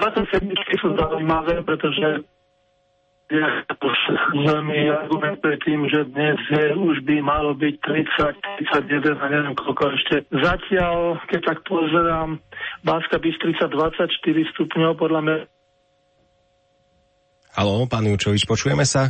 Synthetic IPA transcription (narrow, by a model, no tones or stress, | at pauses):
pat̪ɔsɛd̪mit͡ʃkisuzaujmaʋɛːpɾɛt̪ɔʒɛ | jat̪ɔsʋɛlmiːaɾɡumɛnt̪̚pɾɛt̪ːiːmʒɛd̪ɲɛzjɛuʒbimalɔbict̪ɾit͡sac̚t̪ɾit͡saɟjɛd̪ɛnaɲɛʋɪɛmkʰɔlkɔɛʃcɛzacɪalkɛc̚t̪ak̚pɔzɛɾaːmbaːskabist̪ɾit͡sad̪ʋat͡sːacʃt̪iɾist̪upɲɔʊpɔd̪ʎamɲa | halɔpaːnjut͡ʃɔʋit͡ʃpɔt͡ʃuːjɛmɛsa